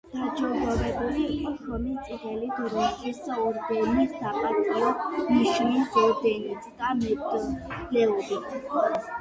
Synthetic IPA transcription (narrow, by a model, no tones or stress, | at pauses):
d̪̥ad͡ʒɔʁɔɾɛbuliːqʼɔʃɔmist̪sʼiʁɛlid̪ɔɾakʼisɔɾd̪ɛnisaqʼat̪ʰʼaɔmiʃnizɔd̪ɛnit̪ʰʼd̪amɛpt̪ʼulɛuɾit̪ʰ